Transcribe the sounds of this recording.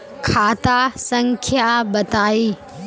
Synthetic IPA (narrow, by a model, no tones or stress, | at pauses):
kʰaːt̪asɐ̃ŋkʰjabɐt̪aːi